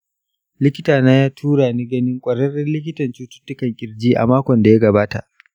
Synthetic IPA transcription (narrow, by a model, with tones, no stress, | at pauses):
lɪ˦kʲɪ˦taː˨naː˦jaː˦tʰuː˦ɽaː˨niː˦ɡɐ˦nɪ˦ŋkʷʼɐ˨ɾɐ˦rɪ˦nlɪ˦kʲɪ˦tɐ˨nt͡ʃuː˦tʊ̥˦tːʊ˦kɐ˨ŋkʲʼɪ˨ɾd͡ʒiː˦ʔa̰˨maː˦kʷɔ˨nda˨ja˦ɡɐ˨baː˦ta̰˨ʔ